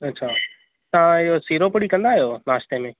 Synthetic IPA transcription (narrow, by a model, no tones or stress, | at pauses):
ɐtːɕʰaː | t̪ɐãɪɦosiːɾopʊɽikɐ̃nd̪aːɦijonaːst̪emẽː